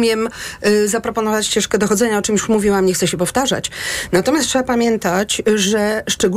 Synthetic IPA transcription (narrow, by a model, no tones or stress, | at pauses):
mʲɛmzapɾɔpɔnɔvat͡ɕt͡ɕɛʂkɛd̪ɔxɔd̪zɛɲaɔt͡ʂɨmjuʂmuvʲiwamɲɛxt̪sɛɕɛpɔft̪aʐa̰t͡ɕnat̪ɔmʲjastʂɛbapamʲjɛnt̪at͡ɕʐɛʂt͡ʂɛɡu